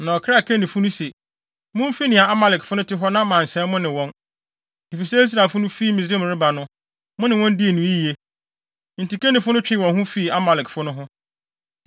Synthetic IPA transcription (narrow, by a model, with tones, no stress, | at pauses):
nã˨ɔ˨kʰa˦˨kʰe˦nĩ˨fʊ˦nʊ̃˦se˨ | mʊ̃˦m̩˦fi˦nɪ̃˨a˨a˦ma˨lɪ˨kfʊ˦nʊ̃˦tɪ˦ɦɔ˦nã˦mã˨n̩˨sɛ̃˦mʊ̃˦nɪ̃˨wɔ̃˦n | e˨fi˨sɛ˦s̬ɾa˨fʊ˦nʊ̃˦fi˦˨mi˨s̬ɾẽ˦m˨ɾɪ˦ba˨nʊ̃˦ | mʊ̃˦nɪ̃˨wɔ̃˦n˦di˦e˨nũ˨i˦i˨e˦ | n̩˨ti˨ke˦nɪ̃˨fʊ˦nʊ̃˦t͡ɕᶣɪ˦wɔ̃˨nɦʊ̃˦fi˦˨a˦ma˨lɪ˨kfʊ˦nʊ̃˦ɦʊ̃˦